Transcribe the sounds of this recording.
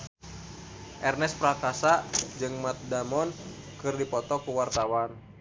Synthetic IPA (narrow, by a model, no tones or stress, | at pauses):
ʔɛrnɛspɾakasad͡ʒɨŋmat̪̚damɔnkɨrdipɔt̪ɔkuwart̪awan